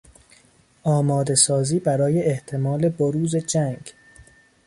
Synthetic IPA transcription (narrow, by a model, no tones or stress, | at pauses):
ʔɒːmɒːd̪e̞sɒːziːbæɾɒːje̞ʔeht̪ʰe̞mɒːle̞boɾuːze̞d͡ʒæŋɡ